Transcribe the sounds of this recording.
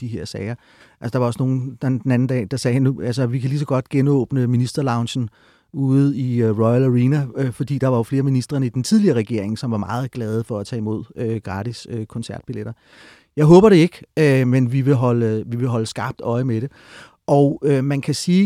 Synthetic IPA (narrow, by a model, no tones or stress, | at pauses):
d̥iɦe̝ɐ̰sɛɪɐ | ælsəd̥ɑ̈ʋɑ̈ɒ̽sno̝ːn̩d̥d̥enæn̩d̥ɛ̰ːd̥ɑ̈sɛːhænːuælsəʋikʰælis̬ɒɡ̥ɒ̽d̥ɡ̥enɔ̽ːb̥nəminisd̥ɐlɑ̈ʊnɕn̩ | uð̩ˠiøʁɔɪælæʁiːnæøfɒ̽d̥ḭːd̥ɑ̈ʋɑ̈jo̝fle̝ːɐminisd̥ʁɐnəid̥ent͡sʰið̞ˠliɐːʁɛɡ̥e̝ɐ̰e̝ŋ̩sɒ̽mʋɑ̈mɑ̈ːð̞̩ˠɡ̥lɛːð̞ˠəfɒ̽æt͡sʰɛ̰ːimo̝ð̞̰ˠøɡ̥ʁɑ̈ːd̥isøkʰɒ̽nsæɐd̥̚b̥ileɾ̥ɐ | jɑ̈ɪɦɔ̽ːb̥ɐɾ̥e̝e̝ɡ̥ømenʋiʋe̝ɦɒ̽ləʋiʋe̝ɦɒ̽ləsɡ̥ɑ̈b̥̚d̥ɒ̽ɪmeɾ̥e̝ | ʔɒʊømænkʰæsiː